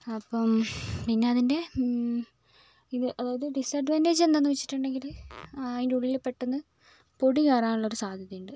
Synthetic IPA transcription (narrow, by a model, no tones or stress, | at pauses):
ɐpːɐmpinːe̞ɐðinde̞ | iðɨʔɐðaːɣɐðɨɖisɐɖʋɐneːd͡ʑend̪ɐnːuʋɐt͡ɕːi̥ʈːuɳɖe̞ŋɡilðindeuɭːilepːeʈːenːɨ | po̞ɽiɣaːraːnuɭːɐo̞ɾusaːd̪ʱjɐðɐjuɳɖɨ